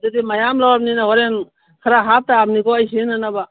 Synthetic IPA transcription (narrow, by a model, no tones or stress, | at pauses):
dedimajamlawap̚ninaɦɔɾen | kʰaɾaɦap̚taːmnikɔajsinanaba